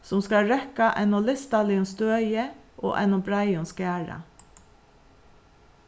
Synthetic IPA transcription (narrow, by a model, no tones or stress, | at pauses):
sʊmskaɹɛkaʔɛnʊlɪst̪alɪʊnst̪øːjəʔo̰ːʔɛ̰nʊbɹaɪʊnskæːɹa̰